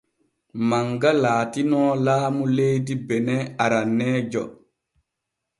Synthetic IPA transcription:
maŋɡalaːtinɔːlaːmulejdibɛnɛaɾanːɛːd͡ʒɔ̰

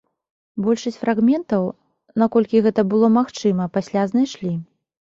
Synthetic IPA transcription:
bɔlʲʂɐsʲt͡sʲfɾaɣmʲɛnt̪ɐw | nakɔlʲkʲiɣɛt̪ɐbɨlˠɔmaxt͡ʂɨmɐpasʲlʲaznajʂlʲi

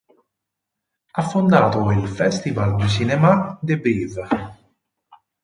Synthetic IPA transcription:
afːond̪aːt̪oilfɛst̪ivald̪ysinɛmad̪ɪbiːv

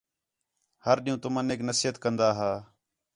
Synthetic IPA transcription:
həɾɗiːũːt̪ʊməneːknəsiːɦət̪kənd̪aːɦaː

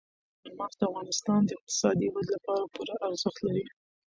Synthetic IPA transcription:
amɑxd̪əafɣɑnɪst̪ɑnd̪əɪq̚t̪ɪ̥sɑd̪iwad̪lapɑɾapuɾaʔaɾzəxt̪laɾi

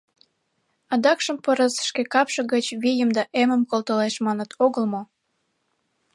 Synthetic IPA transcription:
ɑd̪ɑkʃəmpəɾəsʃkekɑpʃə̆ɣət͡ɕβijəmd̪ɑʔeməmkolˠt̪əleʃmɑnət̪ʰoɣəlmo

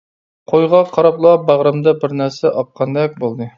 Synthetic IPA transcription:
qʰojʁɑqʰɑɾɑplˠɑbɑʁɾɨmd̪ɑbɪɾnæɾsɛʔɑp̚qʰːɑnd̪ɛk̚ʲbolˠd̪ɨ

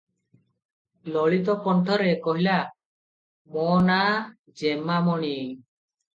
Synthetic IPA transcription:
lɔɭit̪ɔkɔɳʈʰɔɾɛkɔɦila | mɔna | d͡ʒɛmamɔɽi

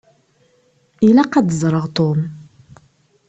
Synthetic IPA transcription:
ilæqɑd̪zˤɾˤəʁt̪om

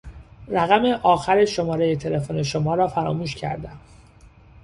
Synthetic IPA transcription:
ræɣæme̞ʔɒːxæɾeʃo̞mɒːɾe̞jet̪ʰe̞le̞fone̞ʃomɒːɾɒːfæɾɒ̰ːmuːʃcʰæ̰ɾd̪æm

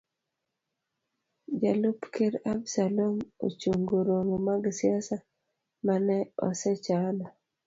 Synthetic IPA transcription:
d͡ʒalupkeɾabsalomo̰t͡ʃoŋɡoɾoŋomaɡsiasa | manɛɔ̰sɛt͡ʃana

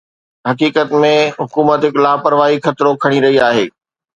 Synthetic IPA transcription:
ɦɐkiːkət̪mẽɦʊkuːmət̪ɦɪklaːpɐɾʋaːɦixʰɐt̪ɪɾokʰɐɽ̃iɾɐɦiaːɦeː

